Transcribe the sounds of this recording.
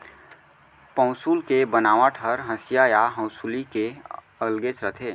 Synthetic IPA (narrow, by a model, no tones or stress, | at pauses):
pə̃ʊ̃suːlkebənaːʋãʈʰəɾɦə̃sɪjajaɦə̃wsulike | əlɡet͡ʃɾət̪ʰeː